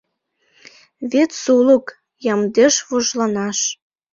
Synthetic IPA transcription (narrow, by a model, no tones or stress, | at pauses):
βet̪suluk | jɑmd̪eʃβuʒlɑnɑʃ